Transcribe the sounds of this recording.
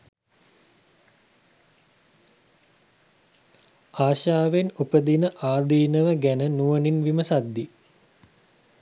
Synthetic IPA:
aːʃaːʋenupəd̪inəʔaːd̪iːnəʋəɡænənuʋəninʋiməsad̪ːi

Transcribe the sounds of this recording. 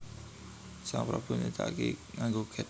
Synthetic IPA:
saŋpɾɔb̥ʊ̤nit̪a̰keŋaŋɡoɡ̥ɛ

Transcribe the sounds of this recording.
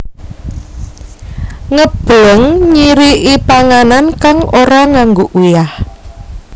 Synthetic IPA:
ŋəb̥əŋɲiɾiʔipaŋanankaŋʔoɾaŋaŋɡoʔujah

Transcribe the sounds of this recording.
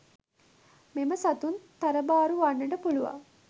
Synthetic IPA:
meməsat̪unt̪aɾəbaːɾuʋaɳːəʈəpuluʋa̰

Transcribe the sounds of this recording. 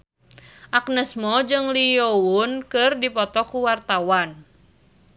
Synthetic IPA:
ʔak̚nəsmɔd͡ʒɨŋliounkɨrdipɔt̪ɔkuwart̪awan

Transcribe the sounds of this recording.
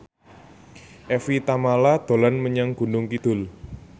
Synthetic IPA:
ʔɛfit̪amalad̪̥o̤lanməɲaŋɡ̥ṳnʊŋkid̪̥ʊ̤l

